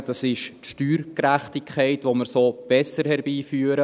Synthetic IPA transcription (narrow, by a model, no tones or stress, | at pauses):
d̥ɑsɪʃtʃtyːɾkræχtɪkʰχɛɪtʋoməɾsoːb̥ɛsəɾhɛɾbiːfyəɾə